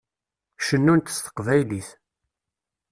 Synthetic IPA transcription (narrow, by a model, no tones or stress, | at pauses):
ʃənːunt̪ə̥st̪ə̥qvæjliθ